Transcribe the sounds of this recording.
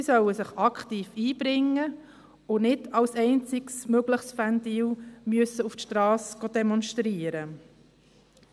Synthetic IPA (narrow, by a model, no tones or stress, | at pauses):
sɪsœwəsɪχɑkχtiːfiːb̥ɾɪŋːə | ʊnɪdɑwsɛɪnt͡sɪɡsmøɡləχsfændiːwmyəsəuftʃtɾɑːsɡ̥od̪ɛmɔnʃtɾiəɾə